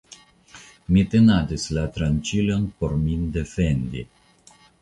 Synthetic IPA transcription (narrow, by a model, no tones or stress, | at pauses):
mit̪enad̪islat̪ɾant͡ʃiljonpoɾmind̪efend̪ḭ